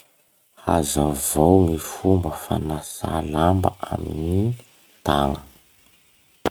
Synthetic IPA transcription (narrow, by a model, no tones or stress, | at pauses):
hazavowŋifumbəfa̰nasalambə̰amini | t̪aŋə